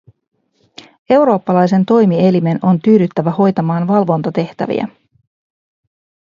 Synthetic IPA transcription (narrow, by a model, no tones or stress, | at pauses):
e̞wɾo̞ːpːɑlɑjse̞nt̪o̞jmie̞lime̞no̞nt̪yːdyt̪ːæʋæho̞jt̪ɑmɑːnʋɑlʋo̞nt̪ɑt̪e̞ht̪æ̰ʋḭæ̰